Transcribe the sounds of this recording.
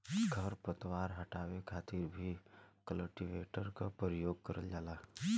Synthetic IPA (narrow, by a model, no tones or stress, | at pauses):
ɡʱəɾpət̪waːɾɦəʈaːwekʰaːt̪ɪɾbʱikələʈiʋeːʈəɾkapɾəjoːɡ̚kəɾəld͡ʒaːlaː